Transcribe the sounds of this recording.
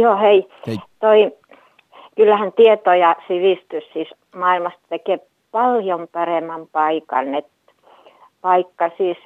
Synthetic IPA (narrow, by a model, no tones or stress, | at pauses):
joːheit̪oi | kylːæhænt̪iet̪ojɑsiʋiˑst̪yssiːˑs | mɑːilmɑst̪t̪ekeˑ | pɑljompɑreˑmːɑmpɑikɑ̰nːet̪ | pɑikːɑsiːs